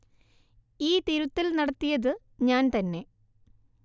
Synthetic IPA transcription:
iːt̪iɾut̪ːilnɐɽɐt̪ːijɐðɨ | ɲaːnt̪ɐnːe̞

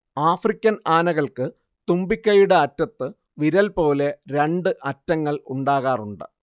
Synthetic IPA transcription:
aːfrikʲːɐnaːnɐɣɐɭkɨ | t̪umbikʲːɐjuɽeɐtːɐt̪ːɨ | ʋiɾɐlpo̞ːle̞ɾe̞ɳɖɨʔɐtːɐŋːɐɭuɳɖaːɣaːruɳɖɨ̰

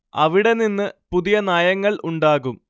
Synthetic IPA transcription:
ɐʋiɽe̞ninːɨpuðijɐnaːjɐŋːɐɭʔuɳɖaːɣum

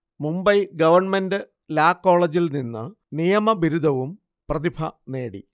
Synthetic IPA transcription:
mumbɐjɡɐʋɐrɳmendɨ | laːkːo̞ːɭɐd͡ʑilninːɨ | nijɐmɐbiɾud̪ʱɐʋum | prɐd̪ibʰʱɐne̞ːɽḭ

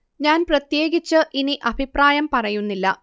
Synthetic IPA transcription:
ɲaːnprɐt̪je̞ːɡit͡ɕːɨʔiniʔɐbʱipraːjɐmpɐrɐjunːilːɐ̰

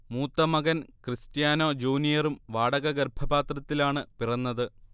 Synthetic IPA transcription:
muːt̪ːɐmɐɣɐnkrɨstjaːnoːd͡ʑuːnijɐrumʋaːɽɐɣɐɡɐrbʱʰɐbaːt̪rɐt̪ːilaːɳɨpirɐnːɐðɨ

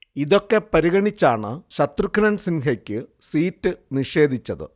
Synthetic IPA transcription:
iðo̞kːe̞pɐɾiɣɐɳit͡ɕːaːɳɨɕɐt̪rukʰːɐnɐnsinɦɐkʲːɨsiːtːɨniʂe̞ːd̪ʱit͡ɕːɐðɨ̰

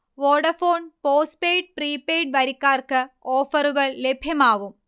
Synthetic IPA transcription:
ʋoːɖɐfoːnpoːspejɖ̚priːpːejɖ̚ʋɐɾikːaːrkɨoːfɐruɣɐɭle̞bʱjɐmaːʋum

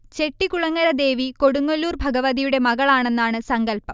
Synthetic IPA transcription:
t͡ɕe̞ʈːikuɭɐŋːɐɾɐd̪e̞ːʋiko̞ɽuŋːɐlːuːrbʱɐɡɐʋɐðijuɽe̞mɐɣɐɭaːɳe̞nːaːɳɨsɐŋɡɐlpɐm

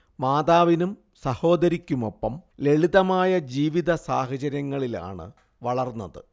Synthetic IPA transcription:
maːd̪aːʋinum | sɐho̞ːd̪ɐɾikʲːumo̞pːɐmle̞ɭiðɐmaːjɐd͡ʑiːʋiðɐsaːɦɐt͡ɕɐɾjɐŋːɐɭila̰ːɳɨ̰ | ʋɐɭɐrnːɐðɨ

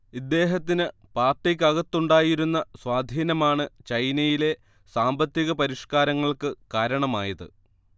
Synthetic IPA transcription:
id̪ːe̞ːɦɐt̪ːinɨ | paːrʈːikʲːɐɣɐt̪ːuɳɖaːjiɾunːɐswaːd̪ʱiːnɐmaːɳɨt͡ɕɐjnɐjile̞ | saːmbɐt̪ːiɣɐpɐɾiʂkaːɾɐŋːɐɭkɨkaːɾɐɳɐmaːjɐðɨ̰

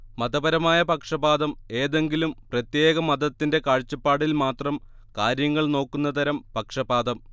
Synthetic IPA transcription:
mɐd̪ɐbɐɾɐmaːjɐpɐkʂɐbaːd̪ɐme̞ːðe̞ŋɡilumprɐt̪je̞ːɣɐmɐd̪ɐt̪ːinde̞kaːɻt͡ɕːɐpːaːɽilmaːt̪rɐm | kaːɾjɐŋːɐɭno̞ːkːunːɐt̪ʰɐɾɐmpɐkʂɐbaːd̪ɐm

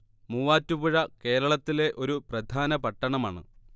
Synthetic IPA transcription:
muːʋaːtːubuɻɐke̞ːɾɐɭɐt̪ːile̞ʔo̞ɾuprɐd̪ʱaːnɐpɐʈːɐɳɐmaːɳɨ̰

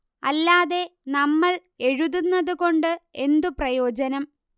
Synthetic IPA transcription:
ɐ̰lːaːðe̞nɐmːɐɭe̞ɻuðunːɐðuko̞ɳɖɨe̞nd̪uprɐjo̞ːd͡ʑɐnɐm

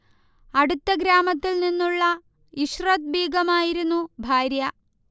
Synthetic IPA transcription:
ɐɽut̪ːɐɡɾaːmɐt̪ːilninːuɭːɐ | iʂrɐt̪̚bʱiːɡɐmaːjiɾunːubʱaːɾjɐ

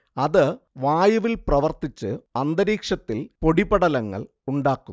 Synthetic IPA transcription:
ɐðɨ | ʋaːjɐʋilprɐʋɐrt̪it͡ɕːɨɐnd̪ɐɾiːkʂɐt̪ːilpo̞ɽibɐɽɐlɐŋːɐ̰ɭ | uɳɖaːkːu

